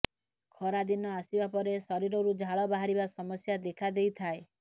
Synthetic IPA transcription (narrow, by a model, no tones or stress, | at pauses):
kʰɔɾad̪inɔasibapɔɾesɔɾiɾɔɾud͡ʒʱaɭɔbaɦaɾibasɔmɔsjad̪ekʰad̪ejt̪ʰae